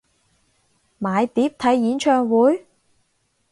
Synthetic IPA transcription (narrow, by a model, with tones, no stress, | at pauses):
maː˨˧jt̪iː˨˥p̚t̪ʰɐ˨˥jːiː˨˥nt͡ʃʰœː˧ŋwuː˨˥j